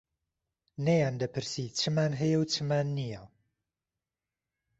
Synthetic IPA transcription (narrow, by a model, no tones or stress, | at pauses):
nɐjaːnd̪ɐpʰɨɾsit͡ʃʰɨmaːnɦɛjɐwt͡ʃʰɨmaːnːijɐ